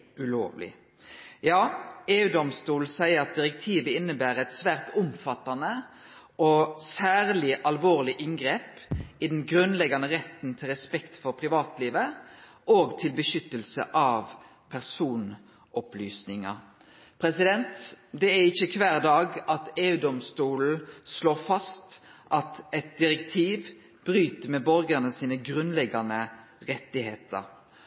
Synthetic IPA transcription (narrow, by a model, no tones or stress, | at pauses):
ʉlo̰ːʋlɪ̰ | jɑːeːʉːd̪ɔmst̪uːlsæɪəʁɑt̪̚d̪ɪʁɛk̚t̪ʰiːʋəɪnːəbæːʁɛt̪sʋæːʁt̪ʊmfɑt̪ːɑnə | ɔsæːʁlɪʔɑlʋoːʁlɪʔɪŋɡʁeːpɪd̪ɛnɡɾʉnlɛɡɑnəʁɛt̪nt̪ʰɪlʁɛspɛkt̪fɔʁpʰʁɪʋɑːt̪liːʋə | ʔoːɡt̪ʰɪlbəʃʏt̪ːəlsə̰ʔɑʋ | pʰæʁsuːn | ʔɔplyːsnɪŋɑ | pʰɾɛsɪd̪ɛnt̪d̪ɛæʁɪçːəkʰʋæːʁd̪ɑːɡɑt̪eːʉːd̪ɔmst̪uːl̩sloːʁfɑst̪ʔɑt̪ɛt̪̚d̪ɪɾɛkt̪ʰiːʋ | b̥ɾyːt̪əmɛbɔɾɡənəsiːnəɡʁʉnlɛɡɑnə | ʁɛt̪ːɪheːt̪ə̰ɾ